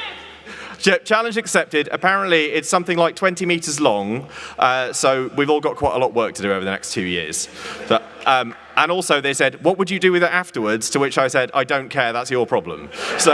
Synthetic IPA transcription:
d͡ʒ̥ɪp̚t͡ʃʰalɪ̃nd͡ʒɨksɛp̚tɪdə̰pʰaɹə̃nʔliɪtsʌ̃mθɪ̃ŋlaɪk̚tʰwɛ̃ntimiˑtəzlɒ̃ŋʔʌsoʊwivɔːlˠɡɒʔkʰw̥aɪtə̰lɒʔwɜˑk̚tʰədɨəʊvəðənɛ̰kstʰʉːjɪ̰əz̥ʌ | ʔʌ̃m | ʔə̃nɔˑlˠsoʊðeɪsɛd̚wɒʔwəd͡ʒədəwɪðətaftəwədz̥tʰəwɪt͡ʃaɪsɛda̰ɪdə̃ʊ̃nkʰɛɹðatsjəpʰɹ̥ɒblə̰̃mso

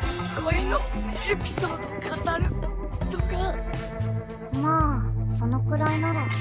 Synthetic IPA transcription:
koinoepʲi̥soːd̪okʰat̪aɾɯt̪oka | maːso̞no̞kɯ̟ɾainaɾa

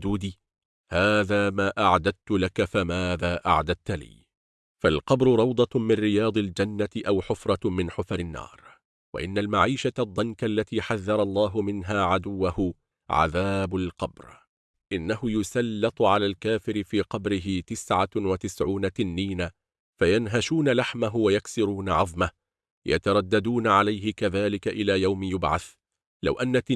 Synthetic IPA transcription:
d̪uːd̪iː | haːðaːmaːʔaʕd̪ad̪̚t̪ʊlakafamaːðaːʔa̰ʕd̪ad̪̚t̪alḭː | falqɑbɾʊɾˤɑwd̪ˤɑmɪnɾɪjɑːd̪ˤɪld͡ʒanːat̪ɪʔawħʊfɾˤɑmɪnħʊfɾɪnːɑ̰ːɾˤ | wa̰ʔɪnːalmaʕiːʃaad̪ˤːɑnkalːat̪iːħaðːɑɾˤɑlˤːɑːɦʊmɪnɦaːʕad̪ʊwːahʊ | ʕa̰ðaːbalqɑ̰bɾ | ʔɪnːaɦʊjʊsalːɪt̪ˤʊʕalaːlkaːfɪɾɪfiːqɑbɾɪɦɪt̪ɪsʕawat̪ɪsʕuːnat̪ɪnːiːna | fajanɦaʃuːnalaħmaɦʊwajaksɪɾuːnaʕɑðˤma | jʔa̰t̪ɑɾˤɑd̪ːad̪uːnaʕalajɦɪkaðaːlɪkaʔɪlaːjawmɪjʊbʕa̰θ | la̰wʔanːat̪

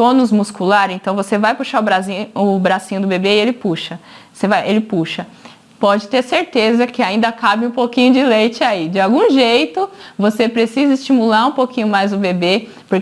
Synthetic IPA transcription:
õnʊzmuskulaɾẽnt̪ɐ̃w̃vosevajpuʃaɾʊbɾazĩʊbɾasĩɲʊd̪ʊbebeɪelɪpuʃɐ | osevajʔelɪpuʃɐ | pɔd͡ʒɪt̪eɾseɾt̪ezɐkɪaĩnd̪ɐkabɪũpokĩɲʊd͡ʒɪlejt͡ʃɪaid͡ʒɪawɡũʒejt̪ʊvosepɾesizɐɪst͡ʃimulaɾũpokĩɲʊmajzʊbebe | poɾk

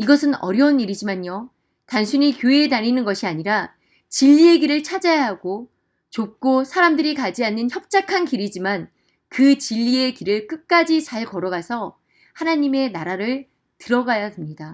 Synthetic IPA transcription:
iɡʌsʰɯnʌ̰ɾjʌuniɾid͡ʑimaɲjo | tansʰuɲikjoetaɾinɯnɡʌɕʰiaɲiɾa | t͡ɕiʎːie̞ɡiɾɯɭt͡ɕʰad͡ʑajaɦaɡo | t͡ɕok̚k͈osʰaɾamdɯɾikad͡ʑianːɯnçjʌp̚t͡ɕ͈akʰankiɾid͡ʑiman | kɯt͡ɕiʎːie̞kiɾɯɭk͈ɯk̚k͈ad͡ʑit͡ɕaɭkʌɾʌɡasʰʌ | hanaɲime̞naɾaɾɯɭ | tɯɾʌɡajademɲida

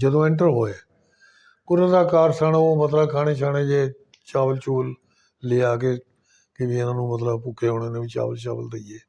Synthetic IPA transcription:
d͡ʒəd̪õːɪ̃ɳʈəɾɦoːeː | kʊɾəd̪aːkaːɾsaːnaːoːmət̪ləbkʰaːɽeːt͡ʃʰaːɽeːd͡ʒeː | t͡ʃaːʋəlt͡ʃuːlː | eːaːkeː | kɪʋiːɪnãːnũːmət̪ləbpʊkʰːeːɦoːneːnẽːʋiːt͡ʃa̰ːʋəlt͡ʃa̰ːʋəld̪əieː

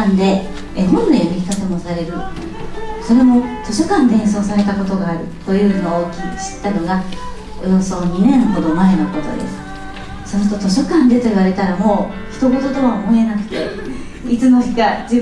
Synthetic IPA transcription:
nd̪e̞ | eɦõ̞ndainoçi̥kat̪omo̞saɾe̞ɾɯno̰ | so̞ɾe̞mo̞t̪o̞ɕo̞kãnd̪ẽ̞ɰ̃so̞ːs̬aɾe̞t̪ako̞t̪o̞ɡaːɾɯ̟t̪o̞jɯ̟ːno̞ːkʲiɕi̥t̪ːano̞ɡa | ɯ̟̃ɰ̃so̞ːɲ̟inẽ̞ɰ̃ɦo̞d̪o̞mae̞no̞ko̞t̪o̞̰d̪e̞̰sɨ̥ | sonot̪ot̪o̞ɕo̞kãnd̪e̞t̪o̞iβ̞aɾe̞t̪aɾamo̞ː | çi̥t̪o̞ɡo̞t̪o̞t̪o̞βamoenakɯ̟̥t̪e̞̰ | it͡sɨno̞çiɡad͡ʑi

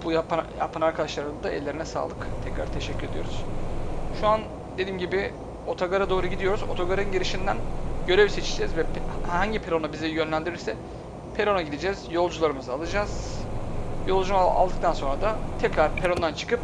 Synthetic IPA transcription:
b̥ujap̪ja̰pʰanaɾkʰad̪aʃlˠaɾɯnd̪aɛ̰lʲːe̞ɾinɛsa̰ːlˠɯkt̪ʰɛcɾa̰ɾt̪ʰe̞ʃɛcʰːyɾed̪ijo̞ɾuz̥ʃuan | d̪e̞d̪iːmɟibɪ | o̞t̪ʰaɡaɾad̪o̞ːɾuɟid̪ijo̞ɾuzot̪ʰoɡaɾaɯnɟiɾiʃind̪ænɟø̞ɾevse̞t͡ʃʰid͡ʒɛzvɛhhaɲɟipʰeɾo̞nabizijø̞nlʲænd̪iɾiɾsɛ | pʰe̞ɾo̞naɟid̪ed͡ʒɛz̥jo̞lˠd͡ʒulˠaɾɯmɯzaalˠɯd͡ʒaːz̥ | jo̞lˠd͡ʒuma̰lˠd̪ɯk̚t̪ʰanso̞nɾad̪at̪ʰɛcɾaɾpʰeɾo̞nd̪ant͡ʃʰɯ̥kɯp

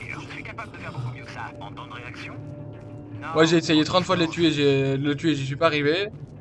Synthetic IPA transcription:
sɥikapabld̪əfɛʁbokumjaɑ̃t̪ɑ̃d̪ʁeaksjɔ̃ | mwaʒeːsejet̪χɑ̃t̪fwad̪əlet̪yeʒed̪ələt̪yeʒəs̬ɥipaːʁive

